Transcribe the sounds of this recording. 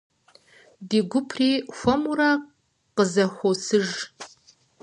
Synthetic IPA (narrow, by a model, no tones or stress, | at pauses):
diːɡʷʊpʰriːxʷɔmuɾa | qəzɐxʷosɨʒ